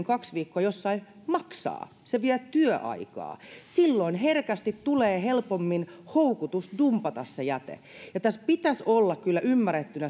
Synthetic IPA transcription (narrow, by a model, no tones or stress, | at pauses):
ŋkɑksʋiːkːoɑjosːɑi | mɑksɑ̰ː | seʋiæt̪yøʔɑ̰ikɑ̰ːsilːoinherkæst̪it̪t̪uleːhelpomːinhoukut̪usdumpɑt̪ɑssejæt̪ḛ | jɑt̪æspit̪æsolːɑkkylːæʔymːæret̪ːynæ